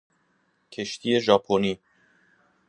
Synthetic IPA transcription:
kʰe̞ʃt̪ʰiːje̞ʒɒːpʰoniː

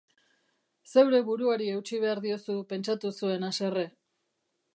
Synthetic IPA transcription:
se̞wɾe̞βuɾuaɾie̞wt͡ʃiβ̞e̞aɾðio̞supe̞nt͡ʃat̪usue̞nase̞re

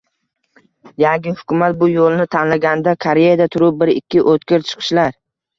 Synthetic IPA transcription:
jaŋɡʲɪhʊ̥kʰʲʊmat̪̚bʊjolˠnɪt̪ʰanlaɡʲand̪akʰaɾejad̪at̪ʰʊɾʊp̚bɪɾɪkʲʰːɪʔot̪kʲɪɾt͡ʃʰɨ̥qʰɨ̥ʃlaɾ

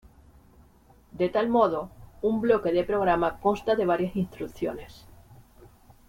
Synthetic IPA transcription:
d̪et̪almoð̞oumblokeðepɾoɣ̞ɾamakonst̪aðe̞β̞aɾjasinst̪ɾukθjones

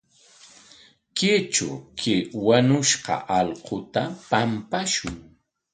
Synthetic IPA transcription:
kɪt͡ʃʊ̰kʰɪwaɲʊʃqɑ̰ʔɑlqʰot̪apampaʃʊŋ

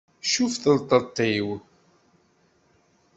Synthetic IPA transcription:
ʃufθəlt̪ˤət̪ˤːiw

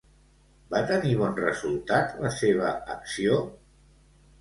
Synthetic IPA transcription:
bat̪əniβɔnrəzulˠt̪at̪ləseβ̞ə̰əksio

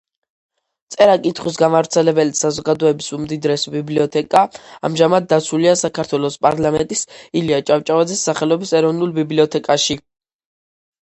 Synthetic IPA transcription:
t̪sʼɛɾakʼit̪ʰχwis̬ɡamavɾt̪sʰɛlɛbɛlisazɔɡad̪ɔɛbisumd̪id̪ɾɛsbibliɔt̪ʰɛkʼaa̰mʒamad̪̚ːat̪sʰuliasakʰaɾt̪ʰwɛlˠɔspʼaɾlamɛnt̪ʼisiliat͡ʃʼavt͡ʃʼavad̪zɛsːaχɛlɔbisɛɾɔvnulˠbibliɔt̪ʰɛkʼaʃi

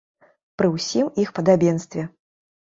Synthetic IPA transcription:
pɾɨwsʲimixpɐd̪abʲinst̪vʲɛ

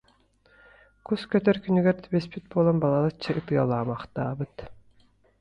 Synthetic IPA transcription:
kuskøt̪œɾkynyɡøɾt̪bespit̪̚bolˠonbɑlˠalˠɯt͡ʃʰːaʔɯt̪ɯjalˠɑːmɑqt̪aːbɯt̪

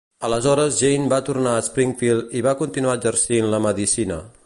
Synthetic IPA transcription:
ələzɔɾəzʒejnbat̪urnaəspɾiŋfilˠiβakunt̪inuad͡ʒərsinləməðisinə̰

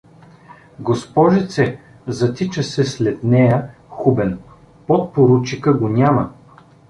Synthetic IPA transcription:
ɡospɔʒɛt̪sɛ | zɐt̪it͡ʃəsɛslɛt̪nɛjə | xubɛn | pɔt̪̚poɾut͡ʃikəɡonʲamə

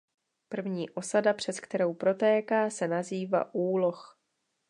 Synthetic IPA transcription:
pr̩vɲiːʔo̞sadapr̝̥ɛt̪kt̪ɛɾo̞wpɾo̞t̪ɛːkaːsɛnaziːva̰ʔuːlo̞x

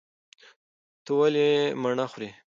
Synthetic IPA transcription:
t̪əwalemaɳaxɾi

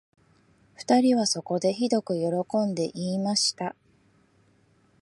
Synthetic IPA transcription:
ɸɯ̥t̪aɾʲiβaso̞ko̞d̪e̞çid̪o̞kɯ̟jo̞ɾo̞kõ̞nd̪e̞ʔiːmaɕi̥t̪a

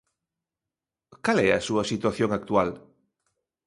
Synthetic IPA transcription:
kalɛa̰suasit̪waθjoŋak̚t̪ual

